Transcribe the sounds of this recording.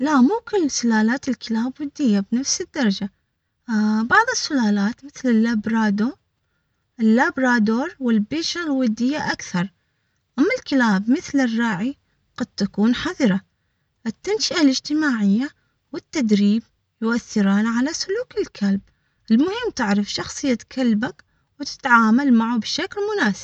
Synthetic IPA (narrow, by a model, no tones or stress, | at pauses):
laʔmʊmkɪnsʊlaːlaːt̪ɪlkɪlaːbwʊd̪ːɪjːabnafsɪd̪ːɑɾˤɑd͡ʒa | bɑʕðˤɨsːʊlaːlaːt̪mɪθlɪlːabɾˤɑːd̪o | ʔɪlːaːbɾˤaːd̪oːɾˤwɪlbiːʃalwʊd̪ːɪjːaʔakθɑɾˤ | ʔamːalkɪlaːbmɪθlɪrˤːɑːʕi | qɑd̪̚t̪akuːnħaðˤɾˤa | ʔɪt̪ːanʃɪʔalɪd͡ʒt̪ɪmaːʕɪjːa | wɪt̪ːad̪ɾiːb̚ | jʊʔaθːɪɾaːnaʕalasʊluːkɪlkʰalb̚ | ʔɪlmʊhɪmːt̪ɪʕɾɪfʃɑxsˤɨjːat̪kʰalbak | wɪt̪ɪ̥t̪ʕaːmalmaʕubʃaklmʊnaːsɪ̥b̥